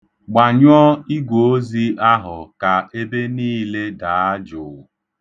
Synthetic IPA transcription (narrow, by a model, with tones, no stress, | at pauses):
ɡ͡ba˨ɲɔ˦i˦ɡʷo˨o˦zi˦ʔa˦ɦʊ˨ka˨e˦be˦niː˦le˦da˨˦a˦d͡ʒʊ˨